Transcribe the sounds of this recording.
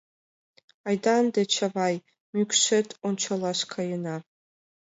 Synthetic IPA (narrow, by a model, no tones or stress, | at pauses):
ajdandat͡ʃʰavaj | mykʷʰʃʷetʰʼunt͡ʃʷʰalaʃkʰajɪnapʼ